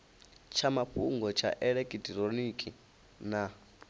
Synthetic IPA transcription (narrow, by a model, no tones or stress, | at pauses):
t͡ʃʰamapʰṵŋɡɔt͡ʃʰa̰ʔɛɺɛkʼitʼiɾonikʼi | na